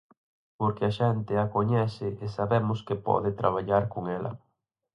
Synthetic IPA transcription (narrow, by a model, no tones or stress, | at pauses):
poɾkɪaʃent̪ɪakoɲɛsɪʔːsaβemʊskepɔ̰ðɪt̪ɾaβ̞aʎaɾkoŋɛlɐ̰